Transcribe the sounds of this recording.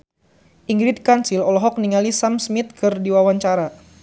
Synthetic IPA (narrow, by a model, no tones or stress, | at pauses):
ʔiŋɡɾit̪̚kansilɔlɔɦɔk̚niŋalisamsmit̪̚kɨrdiwawaɲt͡ʃaɾa